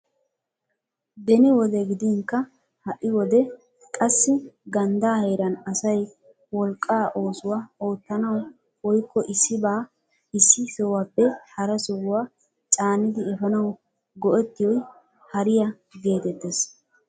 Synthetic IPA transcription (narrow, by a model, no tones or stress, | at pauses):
d̪ɛnɪwɔd̪ɛɡɪd̪ɪŋkːɐ | hɐʔɪwɔd̪ɛ | kʼɐsːɪɡɐnd̪aːheːɾɐnɐsɐj | wɔlkʼːaːʔo̞ːsʊwaːo̞ːt̪ːɐnɐw | wɔjkʰːɔʔɪsːɪbaː | ɪsːɪsɔwaːpːɛhɐɾɐsɔwwaː | t͡ʃʼaːnɪd̪ɪɛfɐnɐw | ɡɔʔɛt̪ːɪjɔj | hɐɾɪjɐ | ɡe̞ːt̪ɛt̪ːes